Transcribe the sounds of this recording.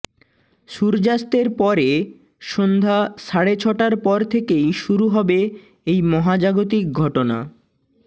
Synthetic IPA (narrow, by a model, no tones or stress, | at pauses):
ʃuɾd͡ʑast̪eɾpɔɾe | ʃond̪ʱaʃaɽet͡ɕʰɔʈaɾpɔɾt̪ʰekejʃuɾuɦɔbe | ejmɔɦad͡ʑaɡot̪̬ik̚ɡʱɔʈona̰